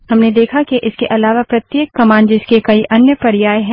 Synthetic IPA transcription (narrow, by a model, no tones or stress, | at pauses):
hɐmned̪eːkʰakiʔɪskeʔɐlaːʋapɾɐt̪jeːkːɐmãːnd͡ʒɪskekɐiʔɐnjəpɐɾjaːjɦɛ̃ː